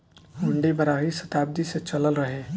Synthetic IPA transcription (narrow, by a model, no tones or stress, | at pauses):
ɦʊɳɖibɐɾaːɦisɐt̪aːb̚d̪iset͡ʃɐləlɾɐɦeː